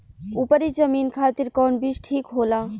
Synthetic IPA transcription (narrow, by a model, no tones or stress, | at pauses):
upəɾid͡ʒəmiːnkʰaːt̪iɾkɔːɳbit͡ʃʈʰiːkɦoːlaː